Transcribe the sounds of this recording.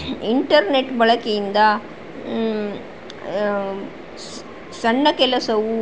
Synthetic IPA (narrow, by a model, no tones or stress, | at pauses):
iɳʈɐɾneʈːbɐɭɐkijind̪ɐ | sɐɳːɐkɛlɐsɐʋu